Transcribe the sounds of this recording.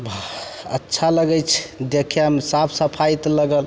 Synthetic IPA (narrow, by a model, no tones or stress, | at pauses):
bə̰tːʃʰaləɡɛt͡ʃʰd̪ekʰjəmsapʰsəpʰajt̪ləɡəl